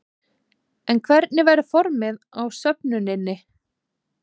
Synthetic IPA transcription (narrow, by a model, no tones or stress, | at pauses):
ɛnkʰvɛɾt̪̚nɪvajɾɪfɔɾmɪð | awsœpnʏnɪnːɪ